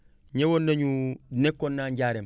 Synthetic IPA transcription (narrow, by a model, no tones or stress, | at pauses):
ɲewondaɲunekːonːaɲɟaɾem